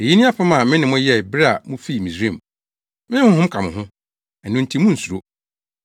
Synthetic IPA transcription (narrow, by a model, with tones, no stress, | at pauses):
e˨ji˦nĩ˦a˦pʰa˦mã˨mɪ̃˦nɪ̃˨mʊ̃˦jɛ˦˨bɾa˨mʊ̃˦fi˦˨mĩ˨sẽ˦˨m˨ | mɪ̃˦hʊ̃˦hʊ̃˦m˦kʰã˨mʊ̃˨ɦʊ̃˦ | ɛ˨nʊ̃˨n̩˨tʰi˨˦mũ˦n̩˨su˨ɾo˦